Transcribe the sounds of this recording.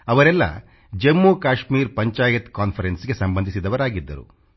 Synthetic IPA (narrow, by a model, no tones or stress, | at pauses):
ɐʋɐɾɛlːɐ̰ | d͡ʒemːuːkaːʂmiːɾpɐɲt͡ʃaːjɐt̪kaːnpʰɐɾensɡe̞sɐmbɐnd̪ʱisid̪ɐʋɐɾaːɡid̪ːɐ̰ɾṵ